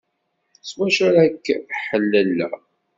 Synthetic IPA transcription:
swæʃæɾækːħəlːælːæ̰

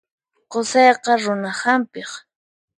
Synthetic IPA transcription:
qosɑjqɑɾʊnahampɪχ

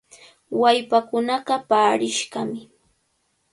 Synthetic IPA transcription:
wajpakʊnɑɢɑpaːɾɪʃɢɑmɪ

